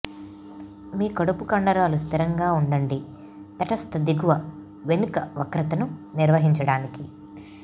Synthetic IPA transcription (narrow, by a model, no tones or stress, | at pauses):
miːkɐɽupukɐɳɖɐɾaːlus̬t̪iɾɐŋɡaːuɳɖɐɳɖi | t̪ɐʈɐst̪ɐd̪iɡuʋɐ | ʋenukɐʋɐkɾɐt̪ɐnuniɾʋɐɦiɲt͡ʃɐɽaːniki